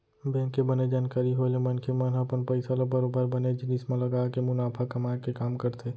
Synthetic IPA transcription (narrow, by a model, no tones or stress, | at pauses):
bɛ̃ːŋkːebɐned͡ʒaːnkaːɾiɦolemɐnkʰemɐnɦɐpənpəɪsalabəɾoːbəɾbɐned͡ʒɪnismãlɐɡaːkemʊnaːpʰakɐmaːekekaːmkɐɾt̪ʰeː